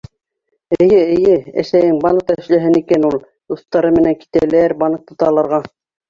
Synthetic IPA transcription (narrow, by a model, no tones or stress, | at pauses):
ɘ̆jɘɘ̆jɘæ̰sæjɘŋbɑnɤq̚t̪æ̆ʃlæɦɘnikænulˠ | d̪uθt̪ɑɾɤmɘ̆næŋki̥t̪ælæɾbɑnɤ̆q̚t̪ŏt̪ɑlˠɑɾʁɑ